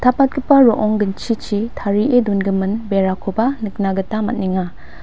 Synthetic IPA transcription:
tʰapat̚kʰɯpaɾɔʔɔŋɡɯnt͡ʃʰit͡ʃʰitʰaɾiʔedunɡɯmɯnbeɾakʰobanɯk̚naɡɯtamat̚niŋa

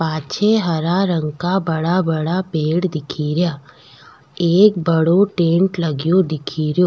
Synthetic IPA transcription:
paːt͡ʃʰeɦɐɾaɾə̃ŋɡkabɐɽabɐɽapeːɽd̪ɪkʰiːɾja | eːk̚bəɽoʈẽːɳʈlɐɡjod̪ɪkʰiːɾjoː

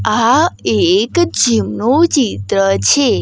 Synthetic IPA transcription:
aekd͡ʒimnut͡ʃit̪ɾət͡ʃʰe

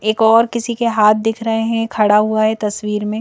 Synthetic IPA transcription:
eːkɔːɾkɪsikeɦaːt̪̚ʰd̪ɪkʰɾɐɦeɦɛ̃kʰɐɽaɦuaɦɛt̪ɐswiːɾmẽ

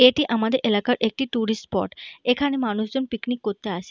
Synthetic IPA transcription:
eʈiʔamad̪eɾʔelakaɾʔek̚ʈiʈuɾisʈpɔ̰ʈekʰanemanuʃd͡ʑonpiknikːoɾt̪eaʃʰe

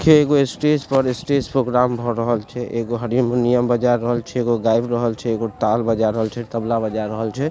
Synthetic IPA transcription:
kʰeeːɡoesʈespəɾɪsʈespɾoɡɾaːmbʱɔɾəɦəlt͡ʃʰɛʔeːɡoɦəɾimunijəmbəd͡ʒaɾːəɦəlt͡ʃʰɛeːɡoɡaːɪbɾəɦəlt͡ʃʰɛeːɡot̪aːlbəd͡ʒaɾəɦəlt͡ʃʰɛt̪əblabəd͡ʒaɾəɦəlt͡ʃʰɛ

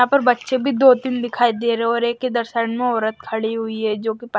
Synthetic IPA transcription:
ãpɐɾbɐtːʃẽbʱid̪oːt̪ɪnd̪ɪkʰaːid̪eːɾeɔːɾeːkːed̪ɐɾʃaːnmẽɔːɾət̪̚kʰɐɽiɦʊiɦɛd͡ʒoːkip

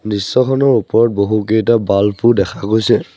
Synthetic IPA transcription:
nisːɔkʰɔnɔɹupɔɹɔt̚boɦukejtabalpʰudɛkʰakojsɛ

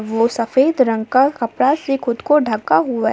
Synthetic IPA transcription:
ʋosɐfeːd̪ɾə̃ŋɡ̚kakɐpɽasekʊd̪koɖʱɐkːaɦua

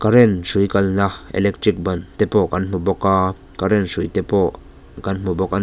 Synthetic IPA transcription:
kaɾɛnsujkɐlnaʔɛ̰lɛk̚tɾik̚bɐnt̪ɛpɔkɐnm̥ubɔkaː | kaɾɛnsujt̪ɛpɔ | kɐnm̥ubɔk̚ʔa

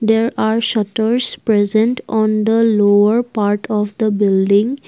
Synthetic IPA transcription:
d̪eːɾaːɾʃʌʈəɾspɾɛzə̃ɳʈɔ̃ːnd̪əloːəɾpaːɾʈʰɔʋd̪əbɪlɖɪ̃ŋ

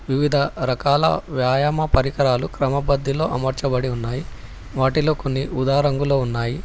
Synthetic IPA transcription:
ʋiʋid̪ʱɐɾɐkaːlɐ̰ʋjaːjaːmɐpɐɾikɐɾaːlukɾɐmɐbɐd̪ʱːilo̞ːʔɐmɐɾt͡ʃɐbɐɽiunːaːji | ʋaːʈilo̞ːko̞nːiud̪aːɾɐŋɡulo̞ːunːaːji

